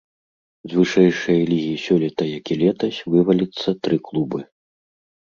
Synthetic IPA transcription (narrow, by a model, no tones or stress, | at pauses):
zʲvɨʂɛjʂɐjɐlʲiɣʲijisʲɔlʲit̪ɐjakʲilʲɛt̪ɐsʲvɨvɐlʲit̪sːɐt̪ɾɨklˠubɨ